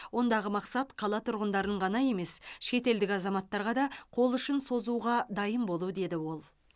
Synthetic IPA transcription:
wo̞nd̪ɑʁəmɑqsɑt̪qʰɑlˠɑt̪ʰʊɾʁənd̪ɑɾənəɴʁɑnɑje̞me̞sʃe̞t̪e̞ld̪ɪkʲɑzɑmɑt̪ːɑɾʁɑd̪ɑqʰo̞lˠʏʃɪnso̞zuʁɑd̪ɑjəmbo̞lˠud̪e̞d̪ɪwo̞lˠ

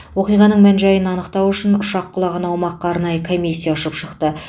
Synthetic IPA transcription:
wo̞qijʁɑnəɴmænʒɑjənɑnəqt̪ɑwʏʃɪnʊʃɑqːʊlˠɑʁɑnɑwmɑqːɑːɾnɑjəkʰo̞mʲisʲːijaʊʃəpʃəqt̪ə

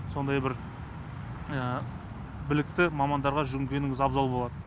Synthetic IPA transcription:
so̞nd̪ɑjbɪɾ | ə | bɪlɪk̚t̪ɪmɑmɑnd̪ɑɾʁɑʒʏɡʲɪŋkʲe̞nɪŋɪzɑbzɑlˠbo̞lˠɑd̪ə

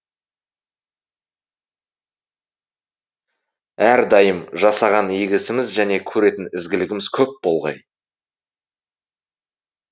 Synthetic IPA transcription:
æɾd̪ɑjəmʒɑsɑʁɑnijɡʲɪsɪmɪzʒæne̞kʲʰɵɾe̞t̪ɪnɪzɡʲɪlɪɡʲɪmɪz̥kʲʰɵp̚bo̞lˠʁɑ̰j

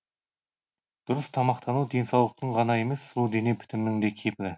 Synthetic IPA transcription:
d̪̥ʊɾəst̪ʰɑmɑqt̪ɑnud̪e̞nsɑwlˠəq̚t̪əɴʁɑnɑe̞me̞sːulˠd̪e̞ne̞pʰɪ̥t̪ɪmnɪŋd̪e̞kʲʰe̞pɪɾɪ

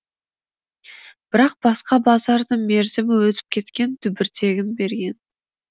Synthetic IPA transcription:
b̥ɪɾɑq̚b̥ɑsqɑbɑzɑɾd̪əme̞ɾzɪmɪwɵt̪ɪ̥p̚kʲʰe̞t̪kʲe̞nt̪ʰʏbɪɾt̪ʰe̞ɡʲɪnbe̞ɾɡʲe̞n

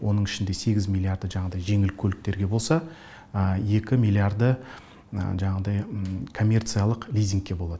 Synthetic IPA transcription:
wʔo̞nəɴɪʃɪnd̪e̞se̞ɡʲɪzmʲilʲˠiaɾd̪əʒɑɴɑd̪ɑjʒe̞ŋɪlkʲʰɵlɪk̚t̪e̞ɾɡʲe̞bo̞lˠsɑ | əje̞kʲɪmʲilˠiaɾd̪ə̰ | ʒɑɴɑʁəd̪ɑjkʰo̞mʲːe̞rt̪sɨjalˠəqlʲijzʲiŋk̚ʲːe̞bo̞lˠɑd̪əə

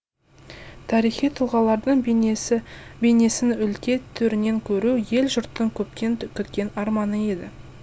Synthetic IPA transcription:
t̪ʰɑɾijχijt̪ʰʊlˠʁɑlˠɑɾd̪əɴ | bene̞sɪnʏlkʲe̞t̪ʰːʏɾɪne̞ŋkʲʰɵɾuje̞lʒʊɾt̪ːəɴkʲʰɵpʲenkʲʰɵt̪kʲe̞nɑɾmɑnəe̞d̪ɪ

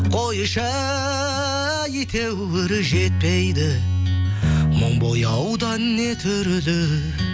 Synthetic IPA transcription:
qʰo̞jəʃɑ | jet̪ʰe̞wwɪɾɪʒe̞t̪̚pe̞jd̪ɪ | moɴbojɑwd̪ɑnne̞t̪ʰʏɾd̪ɪ

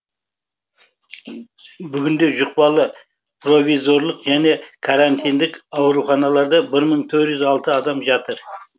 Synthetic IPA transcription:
bʏɡʲɪnd̪e̞ʒʊq̚pɑlˠə | pʰro̞vʲijzo̞ɾlˠəqʒæne̞kʰaɾant̪ʰijnd̪ɪkɑwɾuχɑnɑlˠɑɾd̪ɑbɪɾməɴt̪ʰɵɾt̪ʒʏzɑlˠt̪əɑd̪ɑmʒɑt̪əɾ

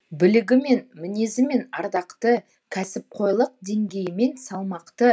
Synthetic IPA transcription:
bɪlɪɡʲɪme̞nmɪne̞zɪme̞nɑɾd̪ɑqt̪ə | kʲʰæsɪp̚qʰo̞jlˠəq̚d̪e̞ŋɡʲe̞jɪme̞nsɑlˠmɑqt̪ə

